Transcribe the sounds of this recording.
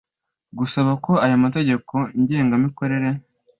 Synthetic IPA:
ɡusaβako̞ajomate̞ɟe̞kʰo̞ɲɟe̞ːŋɡamiko̞ɾe̞ɾe̞

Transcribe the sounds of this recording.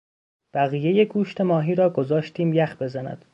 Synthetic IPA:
b̥æɣiːjejeɡuːʃt̪e̞mɒːɦiːɾɒːɡo̞zɒːʃt̪iːmjæxbe̞zænæ̰d̪̥

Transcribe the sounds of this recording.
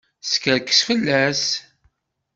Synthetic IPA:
skəɾkːə̥sfəlːæs

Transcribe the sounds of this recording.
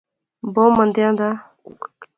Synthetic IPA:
bomːənd̪eand̪a

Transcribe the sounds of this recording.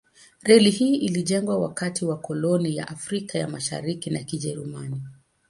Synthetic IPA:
ɾɛlihiːʔiliʄɛŋɡwawakatiwakɔlɔnija̰ʔafɾikaja̰maʃa̰ɾikinakiʄɛɾumani

